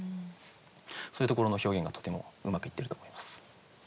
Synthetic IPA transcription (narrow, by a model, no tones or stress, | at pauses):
so̞ɾɯ̟t̪o̞koɾo̞no̞ço̞ːɡẽ̞ŋɡat̪o̥t̪e̞mo̞̰ɯ̟makɯ̟it̪ːe̞ɾɯ̟t̪oːmo̞imasɨ̥